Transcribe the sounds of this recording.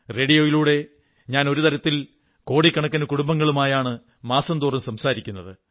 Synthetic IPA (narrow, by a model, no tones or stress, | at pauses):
re̞ːɽijo̞ːjiluːɽe̞ | ɲaːno̞ɾut̪ɐɾɐt̪ːil | ko̞ːɽikʲːɐɳɐkːɐnɐkuɽumbɐŋːɐɭumaːjaːɳɨ | maːsɐmd̪uːrɐmsɐmsaːɾikʲːunːɐðɨ